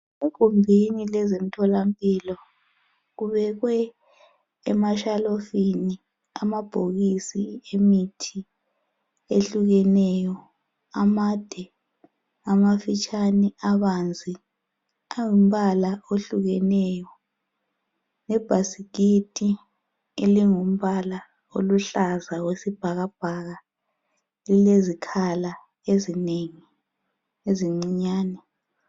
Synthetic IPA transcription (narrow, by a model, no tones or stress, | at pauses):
ukumbʱinilɛzem̩tʰɔlampʼiːlɔ | ɣuβɛɣwɛː | maʃalofini | amab̥ʱoɣisiemitʰi | eɬuɣɛnɛjɔ | amad̥ʱɛ | amafit͡ʃʼaniaβand͡zʱi | aŋum̩βalaoɬuɣɛnɛjɔ | nɛb̥ʱasikitʼi | eliŋum̩βala | oluɬazawesib̥ʱaɣab̥ʱaɣa | lilezikʰala | ezineŋi | eziŋ͡ǀiɲaːnɛ